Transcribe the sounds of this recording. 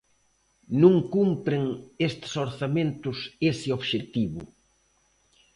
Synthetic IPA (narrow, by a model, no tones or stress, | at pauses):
nũŋkumpɾeŋest̪soɾθamẽnt̪ʊsesɪoβʃet̪iβʊ